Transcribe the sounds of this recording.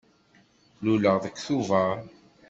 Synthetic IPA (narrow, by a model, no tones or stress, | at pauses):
luləʁðəkːθuvə